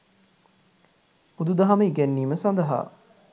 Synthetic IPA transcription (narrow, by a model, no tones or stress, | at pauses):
pud̪ud̪ɐɦaməiɡænːiːməsand̪ɐɦa̰ː